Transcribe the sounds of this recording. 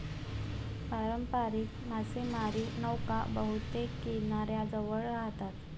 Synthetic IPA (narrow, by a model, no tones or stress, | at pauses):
paɾəmpaɾiːkmasemaɾiːnəwka̰bəɦut̪ekːinaɾjad͡zəʋəɭɾaɦt̪at̪